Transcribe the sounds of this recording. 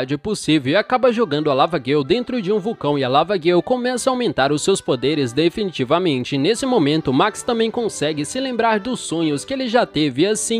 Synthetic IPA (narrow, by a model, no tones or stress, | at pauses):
d͡ʒɪposivewɪakabɐʒoɡɐ̃nd̪ʊɐlavɐɡewd̪ẽnt̪ɾʊd͡ʒɪũvukɐ̃w̃ɪɐlavɐɡewkõmɛsɐaawmẽnt̪aɾʊsːewspod̪eɾɪzd̪efinit͡ʃivɐmẽnt͡ʃɪnesɪmomẽnt̪ʊmakst̪ɐ̃mbẽj̃kõsɛɡɪsɪlẽmbɾaɾd̪ʊsːõɲʊskɪelɪʒat̪evɪasĩ